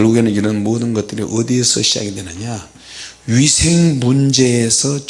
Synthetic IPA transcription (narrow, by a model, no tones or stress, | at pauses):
ɭɡuɡe̞nɯniɾʌnmoːdɯnɡʌt̚t͈ɯɾiʔʌd̪iesʰʌɕʰia̰ɡidwenɯɲa | ɥisʰeŋmund͡ʑe̞ːsʰʌt͡ɕ